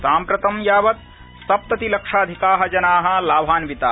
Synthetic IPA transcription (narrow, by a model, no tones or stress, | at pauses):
saːmpɾɐt̪ɐmjaːʋɐt̪̚ | sɐp̚t̪ɐt̪ilɐkʂaːd̪ʱikaːɦɐd͡ʒɐnaːɦɐ̆laːbʱaːnʋit̪aː